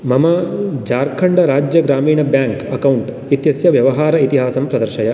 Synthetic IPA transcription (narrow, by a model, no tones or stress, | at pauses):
mɐmɐd͡ʒaːɾkʰɐɳɖɐɾaːd͡ʒjɐɡɾaːmiːɳɐbjaːŋkɐkɐwɳʈ | it̪jɐsjɐʋjɐʋɐɦaːɾɐit̪iɦaːsɐmpɾɐd̪ɐɾʃɐjɐ